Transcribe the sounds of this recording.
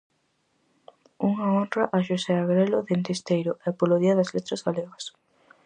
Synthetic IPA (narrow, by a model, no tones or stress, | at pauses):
uŋɐont̪ɾɐʔaʃosɛaɣɾɛlʊðent̪ist̪ejɾʊʔɛpoloðiɐðɐzlet̪ɾɐzɣaleɣɐs